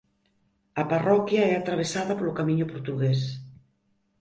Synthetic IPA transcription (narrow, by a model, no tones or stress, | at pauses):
aparɔkjaɛat̪ɾaβ̞esaðapolokamiɲopoɾt̪uɣes